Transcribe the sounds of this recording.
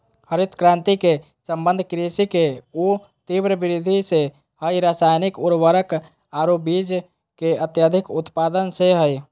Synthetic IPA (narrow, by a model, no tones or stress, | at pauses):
həɾit̪kɾãnt̪ike | səmbənd̪ʱkɾisikeu | t̪ibɾəbiɾid̪ʱise | həjɾasajnikuɾʋəɾək | aɾobid͡ʒ | keət̪jəd̪ʱikut̪pad̪ənseɦəj